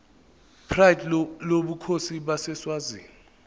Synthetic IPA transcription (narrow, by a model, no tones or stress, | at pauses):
pʰrajdloɓukʰosiɓasɛswaːziːŋɔ